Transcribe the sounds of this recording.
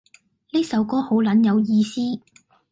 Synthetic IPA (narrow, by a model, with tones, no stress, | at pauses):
leː˥sɐ˨˧wkɔː˥ho˨˥wlɐ˨˥njɐ˨˧wjiː˧siː˥